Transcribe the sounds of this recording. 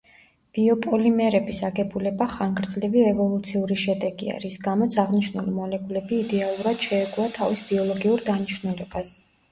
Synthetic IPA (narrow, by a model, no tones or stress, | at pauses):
b̥iɔpʼɔlimɛɾɛbisaɡɛbulɛbaχaŋɡɾd̪zliviɛvɔlˠut̪sʰiuɾiʃɛd̪ɛɡḭa̰ɾisɡamɔt̪sʰaʁniʃnulimɔlɛkʼulɛbiːd̪ɛalˠuɾad̪̥ʃɛːɡuat̪ʰavisbiɔlˠɔɡiuɾd̪aniʃnulɛbas